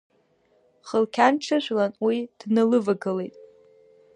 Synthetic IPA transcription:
χəlkʲʰanʈ͡ʂʰɨʒʷlanwid̥nɨlɨvaɡɨlejtʼ

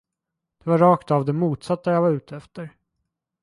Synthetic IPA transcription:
d̪̥ɛvaɾɾɑːkt̪avd̪ɛmuːt̪sat̪ːajaːvaɾʉ̟ːt̪ʰəɛft̪əɾ

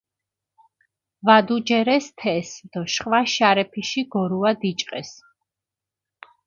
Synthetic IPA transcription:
vad̪ud͡ʒɛɾɛst̪ʰɛsd̪̥ɔʃχwaʃaɾɛpʰiʃiɡɔɾuad̪it͡ʃʼqʼɛs

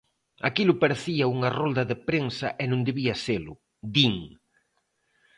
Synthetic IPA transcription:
akilʊpaɾeθiɐuŋɐrold̪ɐðepɾensɐʔenõŋd̪eβiɐselʊ | d̪iŋ

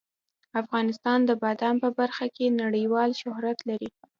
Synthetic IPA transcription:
afɣɑnɪst̪ɑnd̪əbad̪ɑmpəbaɾxakenaɽəjwɑlʃʊhɾat̪laɾi

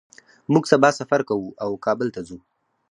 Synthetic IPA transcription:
muɡsabɑsafaɾkawuawkɑbəlt̪azu

